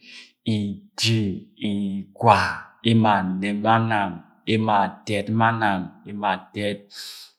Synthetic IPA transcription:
i˨di˦i˨kwa˨e˦ma˨ne˨ma˦na˨m | e˦ma˨tɛ˨tma˦na˨me˦ma˨tɛ˦t̚

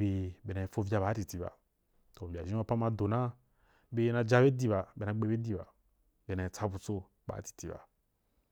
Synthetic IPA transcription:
be˨be˨na˨e˨fo˦vʲja˧ba˨˦ti˨ti˨ba̰˨ | to˨bʲa˨ʒi˦a˦pa˦ma˧do˨na˦ | be˦na˧d͡ʒa˦be˦di˦ba˨be˨na˧˦ɡ͡be˦be˦di˦ba̰˨ | be˨na˨e˨t͡sa˦bu˧t͡so˧ | ba̰˨˦ti̥˨ti˦ba̰˨

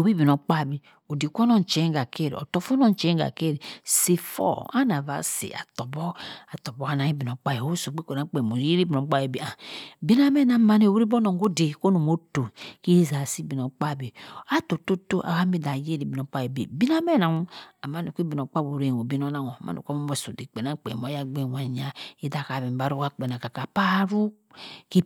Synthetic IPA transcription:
o˨bi˦bi˨no˨k͡pa˦˨bi˨ | o˨di˨kʷo˦nɔ˦n˨t͡ʃe˨˦ɡa˨ke˦˨ɾḭ˨ɔ̰˨to˦fo˦no˦n˨˦t͡ʃe˨˦ɡa̰˨ke˦˨ɾi˨si˨fo̰˦˨a̰˦na˨va̰˨˦sḭ˨a̰˨to˨bɔ˦a˨tɔ˨bo˨˦a˦na˨˦i˦bi˨no˨k͡pa˦je˨o˦so˨ɡ͡be˦ko˨na˨˦k͡pe˨mo˨˦e˦ɾi˦bi˨no˨˦k͡pa˦je˨bi˦a˨bi˦na˦mɛ˦na˨ma˨ne˦˨wi˦ɾi˦bo˦no˨ŋ˦ɡo˦de˨ko˦no˨mo˦to˨ki˦za˨si˦bi˨no˨k͡pa˦˨be˨a˦to˨to˦to˦ʔa̰˨ka˦mi˦da˨je˦ɾi˦bi˨no˨˦k͡pa˦je˨bḭ˨bi˦na˦me˦na˨ŋ˦a˨ma˦no˨ki˦bi˨no˨k͡pa˦bo˨ɾe˦˨o˨bi˦no˦na˦ŋo˨a˨ma̰˦no̰˨kmo˦mo˦˨so˨di˨k͡pe˨na˦k͡pḛ˨mo˨˦a˦ɡ͡be˦˨wʷa˨ɲa˦i˦da˨ka˨be˨m˨ba˦ɾu˦ka˦k͡pe˨na˨ka˨ka˨pa˦ɾu˦ | ki˦

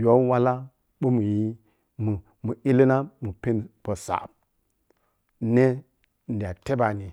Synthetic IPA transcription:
jo˨˦wa˦la˦ | ɓu˦mu˨ji˦ | mu˨ | mu˨i˦li˦na˦mu˨pe˦n˨pə˨sa̰˨ | ne˦ | n̩˨dʲi˨a˨te˦ba˨ni˨

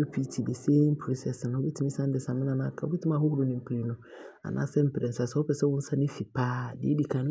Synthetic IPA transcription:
e˦pʰi˦tʰi˨de˨se˦mpʰɾi˦sɛ˨sɪ˨ñ˨ɔ˦bɛ˦tʰi˦ĩ˦sã˦n˦dɪ˨sã˨mɪ̃˦nã˨nã˦kʰa˨ɔ˦ɛ˦tʰɪ˦ã˦˨hʊ˦hʊ˦ɾʊ˦nɪ̃˨m̩˦pʰɾi˨˦nʊ̃˦ | a̰˨nʔã̰ː˦sɛ˦m̩˦pʰɾɛ˨sa˨sɛ˦wɔ˦pɛ˨sɛ˦wʊ̃˦n̩˦sa˦nɪ̃˦fi˨pʰaː˦dɪ̰˨˦e˦di˨kʰã˨ñ˦

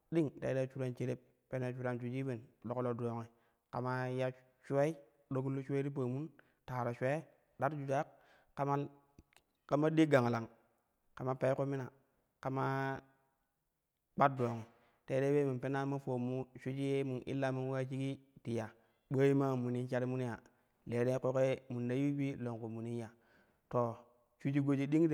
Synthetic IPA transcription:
di˦ŋtḛ˨˦e˦t͡ʃu˦ɾa˨nt͡ʃe˨ɾe˦p̚ | pe˦na˨t͡ʃu˦ɾa˨nt͡ʃu˨d͡ʒi˦be˨nɗo˨ko˦lo˨do˨ŋe˨ | ka˨ma˦ja˦ | ʃu˦e˦i˦ | ɗo˦ɡu˦lːu˦ʃu˦e˦ɾi˦p̬a˨mu˦n | ta˨ɾa˨ʃʷe˦ | da˦ɾd͡ʒu˨da˦k̚ | ka˦ma˦ | ka˨ma˦di˦ɡa˨ŋ˨la˨ŋ | ka˨ma˦pa˨i˦ko˦mi˦na˨ | ka˨ma˦ | k͡pa˦do˨ŋ˨ | te˦ɾe˦we˦mu˨pe˦na˦ma˦fo˨mːu˦ʃu˦d͡ʒi˦je˦mu˨nʔḭ˦lːa˦mu˦n˦a˦t͡ʃi˦ki˦ti˨ja˨ | ɓə˦ji˦ma˦˨mu˨ni˦nt͡ʃa˦ɾi˦mu˦n˦ja˨ | le˨ɾe˦ko˦ke˦mu˨nda˦ji˦bi˦lo˨ŋku˨mu˨ni˦n˦ja˨ | to˨ | t͡ʃu˦d͡ʒi˦ɡo˦d͡ʒi˦di˦ŋ˦t

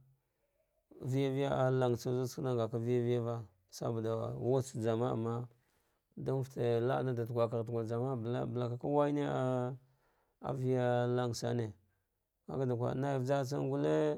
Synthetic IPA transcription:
vi˦ja˦vi˦ja˦a˨la˦˨ŋsa˦zu˦skna˦ŋɡa˨ka˦vi˦ja˦vi˦ja˦va˦ | sa̰˦ba˨da˨wa˦t͡sd͡ʒa˨ma˦a̰˨mːa˦ | da˦m˦fte˨la˦na˦da˨tu˨ɡʷa˨ka˨ɾtɡʷa˨d͡ʒa˨ma˦bla̰˦bə˨la˨ka˨ka˦wa˦i˦ne˦a˦ | a̰˨vi˦ja˦la˦ŋsa̰˦ne˨ | ka̰˦ka˦da˨kʷa̰˨na˦ji˨vd͡ʒa˦t͡sa̰˦ŋ˦ɡu˦le˦

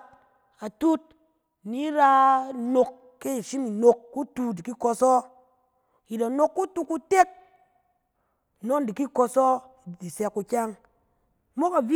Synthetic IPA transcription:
a˨tu˦t̚ | ni˨˦ɾa˧no˧kː | e˦i˨ʃi˦mi˨no˧kːu˦tu˧di˨ki˦ko˧sɔ˦ | ji˨da˨no˦˧kːu˦tu˦ku˦te˦k̚ | no˦di˨ki˦ko˧sɔ˦˨ | di˨sɛ˧kːu˧kʲa˦ŋ˦ | mo˦ka˨vi˦

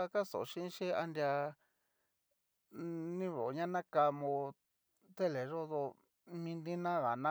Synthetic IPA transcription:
ka˦so̰˨˧ʃĩ˦ʃe˦a˧nd̪ʲja˧ | nĩ˦βo˨ɲã˦nã˦ka˧mõ˧ | t̪e˦le˨ʐo˦ðo˧ | mĩ˧nd̪ĩ˦nã˦ɣa˨nã˦

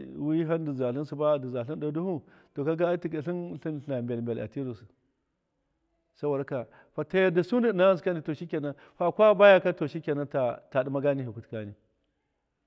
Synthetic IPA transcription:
wi˦ɦa˦ndi˨za˨ɬi˦nsu˨ba˦di˨za˨ɬi˦ndo˨du˦hu˦ | to˨ka˦ɡa˦ti˨ɡa˨ɬi˦nɬi˦nɬa˨bʲe˨lmbʲe˨la̰˨ti˦ɾu˨s | sa˦bo˨da˦ka˨ | ɸa˨ta˦ja˦da˨su˦ndi˦˨na˦a˦ns̬ka˦ni˨to˨ʃi˦kʲa˨na˦ | ɸa˦˨kʷa˦ba˦ja˦ka˦to˨ʃi˦kʲa˨na˦ta˨ta˨di˦ma˦ɡa˦ni˦ɦi˨ku˨tka˦ni˨

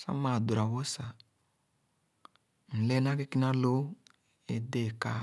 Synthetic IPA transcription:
sa̰˦ma˨du˨ɾa˨βo˦sa˨ | n̩˨lɛ˦na˦ke˦ki˦na˦lo˦ | e˨de˦˨ka˦

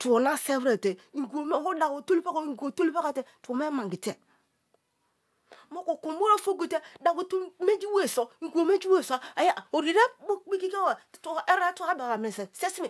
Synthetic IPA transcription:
tu˨o˨na˦se˦vɾe˨te˨i˨ɡo˨m˦˨ho˦da˨ko˨to˦li˦pa˦ko˦˨ŋ˨ɡo˨to˦li˦pa˦ka˨te˨tu˨o˨me˦ma˨ɡi˨te˨ | mo˦ko˨ko˨m˦bo˦ɾa˦fo˦ɡi˨te˦da˨ko˨tme˦d͡ʒi˦we˦˨so˨˦ŋ̩˨ɡu˨o˨me˦d͡ʒi˦we˦˨sa˨a˨ja˦˨o˨ɾi˨ɾe˦bo˦i˦ki˦ke˦wa˨te˦ɾa˦tu˦a˦ba˨ka˨m˨e˨se˨se˦si˦e˨

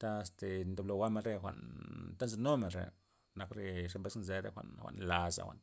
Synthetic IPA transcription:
t̪a˦˧˨st̪e˨nd̪o˨blo˧˨ɡa˦ma˧ɾe˦˧xʷa̰˨ʔnt̪a˦nze˧no˦me˨ɾḛ˨ | na˨˧kɾe˧ʂe˧mbe˦snze˧ɾḛ˦˧xʷa̰˨ʔnxʷa̰˨nla˨za̰˨xʷa̰˨n

